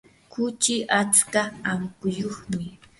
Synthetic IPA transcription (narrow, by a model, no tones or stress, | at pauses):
kʊt͡ʃɪʔat͡skaaŋkʊjoχnʊj